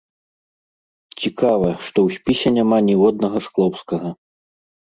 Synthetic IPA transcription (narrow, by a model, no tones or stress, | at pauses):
t͡sʲikavɐʂt̪ɔwsʲpʲisʲɛnʲamanʲiwɔd̪̚nɐɣɐʂklˠɔwskɐɣɐ